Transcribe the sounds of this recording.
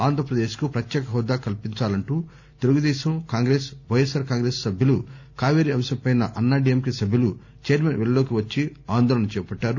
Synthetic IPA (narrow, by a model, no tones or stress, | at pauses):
aːnd̪ʱɾɐpɾɐd̪eːʃkupɾɐt̪jɛːkɐɦɔːd̪aːkɐlpiɲt͡ʃaːlɐɳʈuː | t̪eluɡud̪ɛːʃɐmkaːŋɡɾeːsʋɐjesaːɾkaːŋɡɾeːsːɐbʱjɐlukaːʋeːɾiɐmʃɐmpɐjnɐʔɐnːaːɖiɐmkisɐbʱjɐlu | t͡ʃeːɾmenʋeɭlo̞ːkiʋɐt͡ʃːiaːnd̪ɔːlɐnɐt͡ʃɛːpɐɖːaːɾu